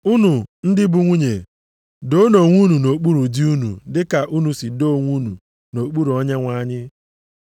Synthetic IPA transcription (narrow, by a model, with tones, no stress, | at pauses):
u˦nu˨n̩˦dɪ˦bu˨ŋʷu˦ɲe˨ | do˦no˨ŋʷu˦nu˨no˨k͡pu˦ɾu˨di˦u˦nṵ˨dɪ˦ka˨ʔu˦nu˨si˨do˦˨ŋʷu˦nṵ˨ | no˨k͡pu˦ɾu˨ɔ˦ɲa˦ŋʷa˨˦˨ɲɪ˦